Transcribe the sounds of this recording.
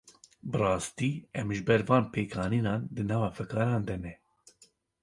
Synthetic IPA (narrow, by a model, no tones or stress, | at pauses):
bɨrɑːst̪iːɛmʒɨbɛɾvɑːnpʰeːkʰɑːniːnɑːnd̪ɨnɑːvɑːfɛkʰɑːɾɑːnd̪ɛnɛ